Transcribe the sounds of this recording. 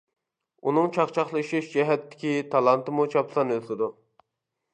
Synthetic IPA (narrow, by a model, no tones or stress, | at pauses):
unɨŋt͡ʃʰɑχt͡ʃʰɑχlˠɨʃiʃd͡ʒɛɦɛt̪ːɪ̥kʲit̪ʰɑlˠɑnt̪ɨmut͡ʃʰɑpsɑnøzlɪd̪u